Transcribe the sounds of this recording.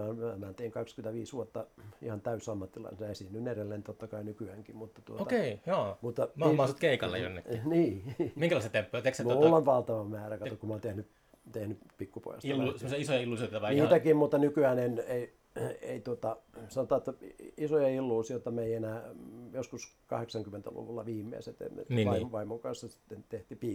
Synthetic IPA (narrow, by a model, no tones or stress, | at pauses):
ɑmæmæt̪eiŋkɑkskyment̪æʋiːsʋuot̪ːɑihɑnt̪æysɑmːɑt̪ːilɑ̰isenɑesinːynerelːent̪ot̪ːɑkɑinykyæŋkimut̪ːɑ̥t̪uotoɑkeijoːmut̪ːɑmɑmɑsot̪keikɑlːḛjo̰nːḛkniːmiŋkælɑist̪ːɑt̪empːojɑt̪eksmlːɑnʋɑlt̪ɑʋɑmæːrækɑt̪ukumɑːnt̪ehny | t̪ehny | pikːupo̰jɑ̰silusemːosɑisojɑilːusiot̪ːɑʋɑniːt̪ækimmut̪ːɑnykyæːnenei | ḛit̪uot̪ɑsɑnot̪ɑːt̪ːisojɑilːuːsiot̪ɑmeienæːjoskuskɑ̰heksɑŋkymːent̪æ̰lṵʋulːɑʋiːmːḛːset̪ḛm̰niːʋɑimʋɑimokɑnsːɑsi̥t̪ːent̪eht̪ipiː